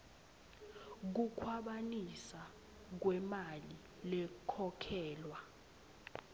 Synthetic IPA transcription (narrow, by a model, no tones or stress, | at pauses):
k̬ukʰwaɓanisa | k̬wɛmali | lɛkʰɔkʰɛːlwa